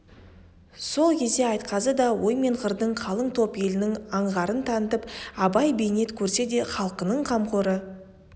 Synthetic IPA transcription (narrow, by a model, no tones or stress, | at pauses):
so̞lˠkʲʰe̞zd̪e̞ɑjt̪qɑsəd̪ɑwo̞jme̞ɴqəɾd̪əɴqʰɑlˠəɴt̪ʰo̞pje̞lɪnɪŋɑɴʁɑɾənt̪ʰɑnət̪əpɑbɑjbe̞jne̞t̪kʲʰɵɾse̞d̪e̞χɑlˠəqənəɴqʰɑmqʰoɾə